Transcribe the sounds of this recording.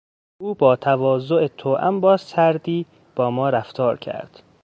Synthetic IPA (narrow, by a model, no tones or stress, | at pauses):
ʔuːbɒːt̪ʰævɒːzoʔet̪ʰoːʔæ̰mbɒːzsæɾd̪iː | b̥ɒːmɒːɾæft̪ʰɒːɾcʰæ̰ɾd̪̥